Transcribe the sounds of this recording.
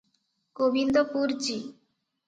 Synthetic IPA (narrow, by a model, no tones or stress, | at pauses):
kobind̪opuɾd͡ʑi